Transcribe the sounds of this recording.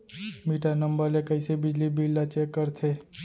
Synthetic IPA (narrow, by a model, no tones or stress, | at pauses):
miːʈanəmbəɾlekəɪsebɪd͡ʒlibʱilːat͡ʃeːkːəɾt̪ʰeː